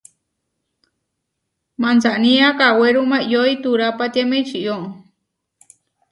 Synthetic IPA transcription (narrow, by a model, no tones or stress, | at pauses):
mant͡saʔnĩakaweɾumãʔjoit̪uɾapat̪iemẽt͡ʃiʔoʔ